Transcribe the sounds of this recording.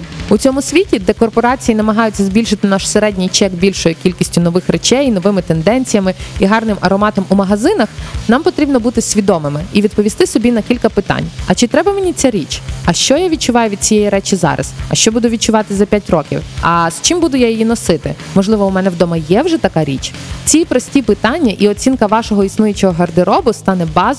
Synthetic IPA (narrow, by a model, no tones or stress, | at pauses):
ʊt͡sʲɔmʊsʲʋʲitʲid̪ɛkɔrpɔɾɑt͡sʲijinɐmɐɦɑjʊt͡sʲːɐzʲbʲilʲʃɪt̪ɪnɑʃseɾɛdʲnʲijt͡ʃɛɡbʲilʲʃɔjʊkʲilʲkʲisʲtʲʊnɔʋɪxret͡ʃɛjn̪ɔʋɪmɪt̪end̪ɛnʲt͡sʲijɐmɪiɦɑrnɪmɐɾɔmɑt̪ɔmumɐɦɐzɪnɐxnɑmpɔt̪ɾʲibnɔbut̪ɪsʲʋʲid̪ɔmɪmɪiʋʲid̪̚pɔʋʲist̪ɪsɔbʲinɐkʲilʲkɐpɪt̪ɑ̰nʲɐt͡ʃɪt̪ɾɛbɐmenʲit͡sʲaɾʲit͡ʃɐʃt͡ʃɔjaʋʲid̚t͡ʃʊʋɑjʊʋʲid̪̚t͡sʲijɛjiɾɛt͡ʃizɑ̰ɾʔɐ̰zɐʃt͡ʃɔbud̪ʊʋʲid̪̚t͡ʃʊʋɑt̪ɪzɐpʲjatʲrɔkʲḭwɐst͡ʃɪmbud̪ʊjajɔjinɔsɪt̪ɪ̰mɔʒlˠɪʋɔumɛnɛwd̪ɔmɐjɛwʒɛt̪ɐkɑɾʲit͡ʃt͡sʲipɾɔsʲtʲipɪt̪ɑnʲːɐʔiɔt͡sʲinkɐʋɑʃɔɦɔisnujʊt͡ʃɔɦɔɦɐrd̪ɪɾɔbʊst̪ɑnɛbɑz